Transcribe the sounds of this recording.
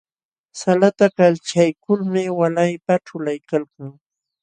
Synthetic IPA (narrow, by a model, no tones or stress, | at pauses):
salat̪akalt͡ʃajkʊlmɪwalajpaʈ͡ʂʊlajkalkaŋ